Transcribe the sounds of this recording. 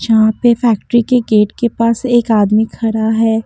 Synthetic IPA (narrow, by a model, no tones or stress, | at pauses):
jɐɦãpefɛːk̚ʈɾikeɡeːʈkepaːseːkaːd̪mikʰɐɾaɦɛː